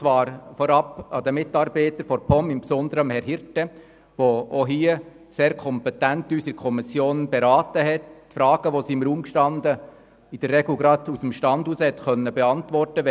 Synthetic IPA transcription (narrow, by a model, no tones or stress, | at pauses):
t͡sʋɑːɾfɔɾɑpɑd̥̪əmɪtɑːɾbɛɪtəɾfɔɾpʰɔmɪmpsɔnd̪əɾəmhɛɾɦɪɾtɛ | ʋooɦiːə | seːɾkʰɔmpɛtæntyːsɪɾkʰɔmisjoːnb̥ɛɾɑːtəɦɛtːfɾɑːɡ̥əʋosiːɪmɾuːmkʃtɑnd̪ə | ɪd̥ərːɛɡl̩ɡɾɑdusəmʃtɑndhuːshɛtxœnːəbɛɑntʋɔrtəʋɛ